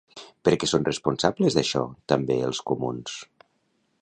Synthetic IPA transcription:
pəɾkɛsonrespunsabləzðaʃɔ̰t̪ambeəlˠskumuns

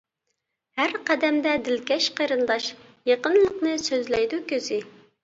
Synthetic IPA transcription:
hæɾqæd̪ɛmd̪ɛd̪ɪlkʲɛʃqʰəjɾɨnd̪ɑʃjeqənlˠəqnɨsøzlɛjd̪ukʲøzɪ

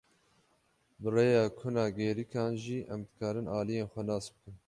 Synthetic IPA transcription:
bɨrejɑːkʰʊnɑːɡeːɾikʰɑːnʒiːʔɛmd̪ɨkʰɑːɾɨnʔɑːlijeːnxʷɛnɑːsbɨkɨn

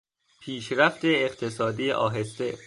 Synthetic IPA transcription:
pʰiːʃɾæft̪eːqt̪ʰesɒːd̪iːeʔɒ̰ːɦe̞st̪e

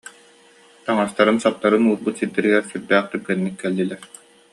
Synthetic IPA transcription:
t̪aŋast̪aɾɯnsap̚t̪aɾɯnuːɾbut̪siɾd̪iɾiɡɛɾsyɾd̪æːχt̪yɡɛnːikːɛlːilɛɾ

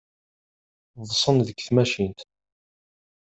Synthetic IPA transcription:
ðˤsˤənðəkːθmæʃint̪

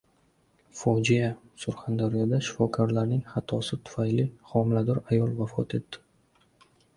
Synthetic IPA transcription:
fɒd͡ʒija | sʊɾχand̪aɾɪjɒd̪aʃɪfɒkʰɒɾlaɾnɪŋχat̪ʰɒsɪt̪ʰʊ̥fajlɪχɒmɪlad̪ɒɾajɒlˠvafɒ̰t̪e̞t̪ːɪ̥

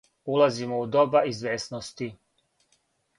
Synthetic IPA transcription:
ulazimoud̪obaizʋeːsnost̪i

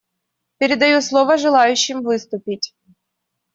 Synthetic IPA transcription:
pʲeɾʲed̪ɐjuslˠɔʋɐʒelˠɑjʊt͡ʃːɪmʋɪst̪ʊpʲitʲ

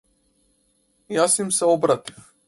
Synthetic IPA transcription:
jasimsɛɔbɾat̪i̥f

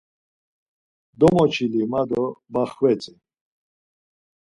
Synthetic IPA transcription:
d̪ɔmɔt͡ʃʰilimad̪ɔbaχvɛt͡sʼi

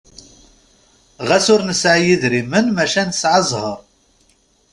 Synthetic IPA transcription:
ʁæsʊɾnəsʕajiðɾimənmæʃænsʕəzˤhəɾˤ

